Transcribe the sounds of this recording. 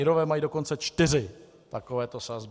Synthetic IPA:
ɪɾovɛːmajiːdo̞ko̞nt͡sɛt͡ʃt̪ɪr̝ɪ | t̪akovɛːt̪osazb

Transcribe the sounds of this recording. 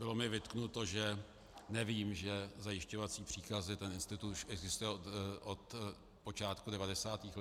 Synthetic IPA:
bɪlo̞mɪvɪt̪knut̪o̞ʒɛ | nɛviːmʒɛzajɪʃco̞vat͡siːpr̥iːkazɪt̪ɛnɪnst̪ɪt̪ut̪uʃʔɛɡzɪst̪ujɛʔot̪ | po̞t͡ʃaːt̪kudɛvadɛsaːt̪iːx

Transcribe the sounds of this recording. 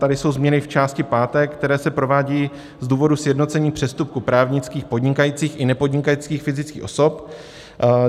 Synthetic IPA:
t̪adɪso̞wzmɲɛnɪft͡ʃaːscɪpaːt̪ɛkt̪ɛɾɛːsɛpɾo̞vaːɟiː | zd̪uːvo̞dusjɛdno̞t͡sɛɲiːpr̝̥ɛst̪up̚kupɾaːvɲɪt͡skiːxpo̞dɲɪkajiːt͡siːxʔɪnɛpo̞dɲɪkajiːt͡skiːxfɪzɪt͡skḭːxʔoso̞p

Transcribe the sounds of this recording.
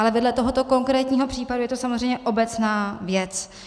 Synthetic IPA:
ʔalɛvɛdlɛt̪oɦo̞t̪o̞ko̞ŋkɾɛːt̪ɲiːɦo̞pr̥iːpadujɛt̪osamozrɛjmɲɛʔo̞bɛt͡snaːvjɛt͡s

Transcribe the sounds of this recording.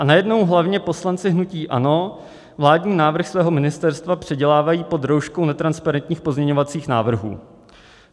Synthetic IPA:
ʔanajɛdno̞wɦlavɲɛpo̞slant͡sɪɦnuciːʔa̰no̞ | vlaːdɲiːnaːvr̩xsvɛːɦo̞mɪnɪst̪ɛɾst̪vapr̥ɛɟɛlaːvajiːpo̞d̪ɾowʃkownɛt̪ɾanspaɾɛnt̪ɲiːxpo̞zmɲɛɲovat͡siːxna̰ːvr̩ɦṵː

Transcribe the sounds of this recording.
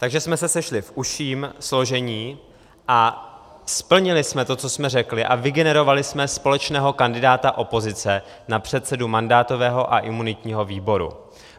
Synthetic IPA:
t̪aɡʒɛsmɛsɛsɛʃlɪfʔuʃiːmslo̞ʒɛɲiː | ʔa | spl̩ɲɪlɪsmɛt̪o̞t͡so̞smɛrɛklɪʔavɪɡɛnɛɾo̞valɪsmɛspo̞lɛt͡ʃnɛːɦo̞kandɪdaːt̪aʔo̞po̞zɪt͡sɛ | napr̝̥ɛt̪sɛdumandaːt̪o̞vɛːɦo̞ʔaʔɪmunɪt̪ɲiːɦo̞viːbo̞ɾṵ

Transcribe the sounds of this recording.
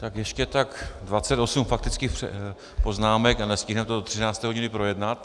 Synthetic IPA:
t̪akjɛʃcɛt̪akdvat͡sɛt̪osumfak̚t̪ɪt͡skɪpɛ̰ | po̞znaːmɛkanɛscɪɦnɛmt̪odot̪r̥ɪnaːt͡st̪ɛːɦo̞ɟɪnɪpɾo̞jɛdnat̪

